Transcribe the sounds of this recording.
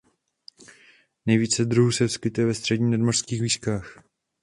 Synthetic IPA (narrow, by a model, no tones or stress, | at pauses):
nɛjviːt͡sɛd̪ɾuɦusɛfskɪt̪ɛvɛst̪r̥ɛdɲiːnadmor̥skiːxviːskaːx